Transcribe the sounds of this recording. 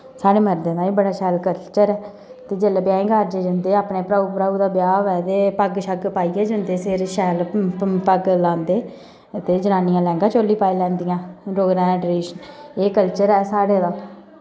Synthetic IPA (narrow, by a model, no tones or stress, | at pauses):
saːɽeːməɾd̪eːnãːiːbəɽaːʃɛːlkəlt͡ʃəɾɛː | t̪eːd͡ʒeːlaːbjaːẽːɡaːɾd͡ʒeːd͡ʒənd̪eːaːpneːpɾaːuːpɾaːuːd̪aːbjaːʋɛːt̪eːpəɡʃəɡpaːiːɛːd͡ʒənd̪eːsɪɾʃɛːlpəɡlãːnd̪eː | t̪eːd͡ʒənaːniːãːlɛ̃ːŋɡãːt͡ʃoːliːpaːiːlɛ̃ːnd̪ɪjãːɾoːɡɾãːɛ̃ɖɾeːʃəneːkəlt͡ʃəɾɛːsaːɽeːd̪aː